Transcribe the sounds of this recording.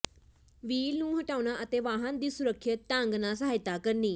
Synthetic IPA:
ʋiːlnũːɦəʈaːunãːʔət̪eːʋaːɦənd̪iːsʊɾəkʰːjəːaŋɡnãːs̬əaːɪt̪aːkəɾniː

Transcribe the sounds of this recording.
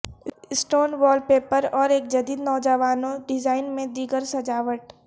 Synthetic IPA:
ɪsʈoːnʋɔːlpeːpəɾɔːɾeːk̚d͡ʒɐd̪iːd̪nɔːd͡ʒəʋaːnõɖɪd͡ʒaːɪnmẽd̪iːɡəɾsɐd͡ʒaːʋəʈ

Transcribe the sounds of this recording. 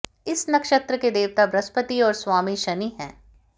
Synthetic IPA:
ɪsnɐkʃət̪ɾəked̪eːʋt̪abɾɐspət̪iɔːɾswaːmiʃɐniɦɛ̃ː

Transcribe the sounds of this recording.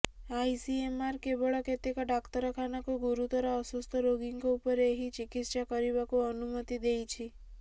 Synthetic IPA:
ajsiemaɾkebɔɭɔket̪ekɔɖakt̪ɔɾɔkʰanakuɡuɾut̪ɔɾɔɔsust̪ʰɔɾoɡiŋkɔupɔɾeeɦit͡ʃikit̪ʃakɔɾiβakuɔnumɔt̪id̪ejt͡ʃʰi

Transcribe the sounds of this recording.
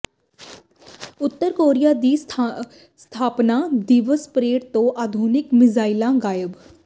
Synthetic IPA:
ʊt̪ːəɾkoːɾijaːd̪iː | st̪ʰaːpnaːd̪iːʋəspɾeːɽt̪õːʔaːd̪ʱuːnɪkmɪzaːilãːɡaːjəb

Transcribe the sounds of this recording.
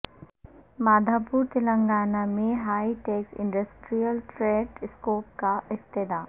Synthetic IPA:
maːd̪ʱaːpuɾt̪ɪlə̃ŋɡaːnamẽɦaːiʈeːksɪ̃ɳɖəsʈɾijəlʈɾeːɖskoːp̚kaɪk̚t̪ɪd̪aː

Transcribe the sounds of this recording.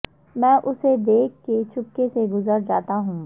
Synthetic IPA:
mɛ̃ːʔʊsed̪eːk̚ʰːet͡ʃʰʊkːeseɡʊzəɾd͡ʒaːt̪aɦũː

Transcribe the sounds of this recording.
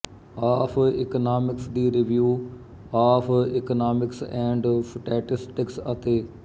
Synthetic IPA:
aːpʰɪknaːmɪksd̪iːɾɪʋjuː | aːpʰɪkənaːmɪksɛ̃ːɳɖfʈɛːʈɪsʈɪksət̪eː

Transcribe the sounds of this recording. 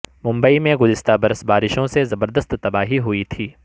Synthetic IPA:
mʊ̃mbəimẽɡʊzɪst̪abɐɾəsbaːɾɪʃõsezɐbəɾd̪əst̪ːɐbaːɦiɦʊit̪ʰiː

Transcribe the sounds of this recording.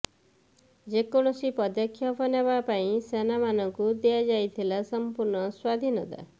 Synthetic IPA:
d͡ʒekɔɽ̃ɔsipɔd̪jɔkʰːjɔpʰɔneβapaĩsenamanɔŋkud̪ijad͡ʒajt̪ʰilasɔmpuɾɳɔswad̪ʱinɔt̪a̰

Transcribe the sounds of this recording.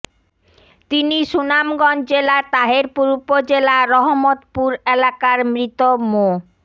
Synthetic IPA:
t̪iniʃunamɡɔnd͡ʑelat̪aɦeɾpuɾupod͡ʑelaɾɔɦomot̪puɾelakaɾmɾit̪omo

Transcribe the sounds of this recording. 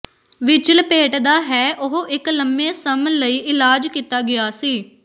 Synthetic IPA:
ʋɪt͡ʃəlpeːʈd̪aːɦɛːʔʊɦʔɪkləmbẽːsəmələiːʔɪlaːd͡ʒkit̪aːɡɪaːsiː

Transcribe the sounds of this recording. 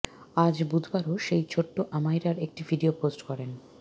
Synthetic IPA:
ad͡ʑbud̪ʱbaɾoʃejt͡ɕʰoʈːoʔamajɾaɾek̚ʈivʱiɖioposʈkɔɾen

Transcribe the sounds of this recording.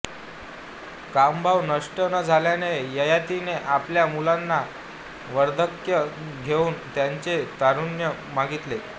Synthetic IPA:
kambʱaʋnəʂʈənəd͡zʱaljanejəjat̪ineʔapljamulanːa | ʋəɾd̪ʱəkjəɡʱeuːnt̪jaɲt͡set̪aɾunjə | maɡit̪le

